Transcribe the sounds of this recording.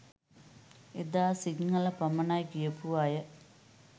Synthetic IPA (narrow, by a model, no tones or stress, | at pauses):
ed̪aːsiŋːɐlɐpɐmɐnaːjkijɐpuʋajə